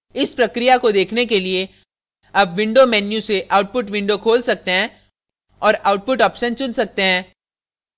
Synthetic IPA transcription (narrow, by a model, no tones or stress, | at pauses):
ɪspɾɐkɾijakod̪eːkʰnekelie | ɐbʋɪ̃ɳɖomɛːnjuseʔaːʊʈ̚pʊʈʋɪ̃ɳɖokʰoːlsɐk̚t̪eɦɛ̃ː | ɔːɾaːʊʈ̚pʊʈɔːpʃənt͡ʃʊnsɐk̚t̪eɦɛ̃ː